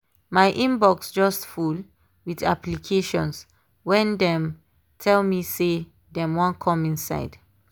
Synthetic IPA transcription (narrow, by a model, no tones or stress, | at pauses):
majʔĩmbɔksd͡ʒɔstful | wida̰plikʰeʃɔ̰̃ns | wɛ̃ndɛ̃m | tʰɛlmise | dɛmwɔ̃nkʰɔ̃mĩnsa̰ɪd